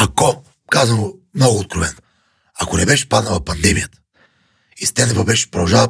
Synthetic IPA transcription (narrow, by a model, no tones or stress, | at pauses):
akɔ | kazənomnɔɡʊːt̪̚kɾovɛno | akonɛbɛʃɛ̥pad̪nəlˠɐpɐnd̪ɛmijət̪ə̥ | ist̪ɛnɛvobɛʃpɾod̪ɐʒalˠ